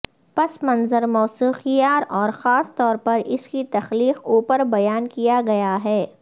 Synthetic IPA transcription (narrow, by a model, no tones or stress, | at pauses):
pɐsmɐnzəɾmɔːsuːxijaːɾɔːɾxaːst̪ɔːɾpɐɾɪskit̪ɐxliːquːpəɾbɐjaːnkijaɡɐjaɦɛː